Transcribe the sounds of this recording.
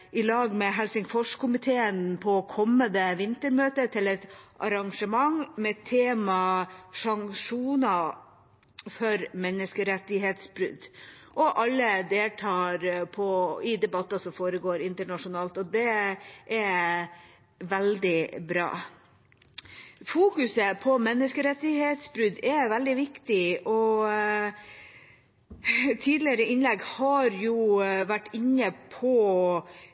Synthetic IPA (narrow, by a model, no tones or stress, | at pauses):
ʔɪlɑːɡmɛɦɛlsɪŋfɔʂkʰʊmɪt̪ʰeːənpʰɔːkʰɔmːənd̪əʋɪnt̪əɾmøːt̪ət̪ʰɪlɛt̪ʔɑ̰ɾɑŋʂəmɑŋmɛt̪ʰːeːmɑsɑŋʂuːnɑ | fœɾmɛnːəskəɾɛt̪ːɪɦeːt̪sbɾʉ̰d̪ | ʔɔʔɑlːəd̪eːlʈʰɑːɾpʰɔɪd̪ɛbɑt̪ːɑsɔmfoːɾəɡoːɾɪnt̪əɳɑʂʊnɑːlt̪ɔd̪ɛʔɛ | ʋɛld̪ɪbɾɑ̰ː | fuːkʉsəpʰɔmɛnːəskəɾɛt̪ːɪheːt̪sbɾʉd̪ɛʋɛld̪ɪʋɪkt̪ɪʔɔ | t̪ʰiːd̪lɪəɾəɪnlɛɡhɑɾjuʋæʈːɪɲːəpʰɔ